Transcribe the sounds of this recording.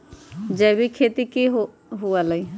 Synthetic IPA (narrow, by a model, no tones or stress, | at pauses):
d͡ʒɛbikʰeːt̪ikiɦ | ɦualai